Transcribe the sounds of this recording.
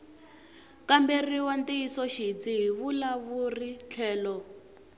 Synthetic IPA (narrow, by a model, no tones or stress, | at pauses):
kamberiwantiisɔʃit͡siɦiβulaβurit͡ɬʰɛːlɔ